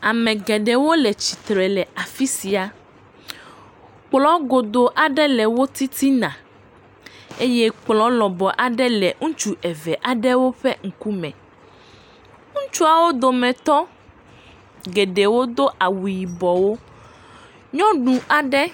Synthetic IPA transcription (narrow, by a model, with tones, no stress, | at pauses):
a˨mɛ̃˨ɡɛ˨ɖɛ˨wo˦lɛ˨t͡ɕi˨t̪ɾɛ˨lɛ˨a˨fi˦si˨a˨ | k͡plɔ˦ɡo˨d̪o˨ʔa˨ɖɛ˦lɛ˨wo˦t̪i˦t̪i˦nã˨ | e˦jɛ˦k͡plɔ˦lɔ˨bɔ˨ʔa˨ɖɛ˦lɛ˨ŋũ˦t͡ʃu˦ʔɛ˨vɛ˨ʔa˨ɖɛ˦wo˦ɸɛ˦ŋ̩˨ku˦mɛ̃˨ | ŋũ˦t͡ʃu˦a˨wo˦d̪o˨mɛ̃˨t̪ɔ˦ | ɡɛ˨ɖɛ˨wo˦d̪o˦ʔa˨wu˨ji˨bɔ˨wo˦ | ɲɔ̃˦ɖũ˨a˨ɖɛ˦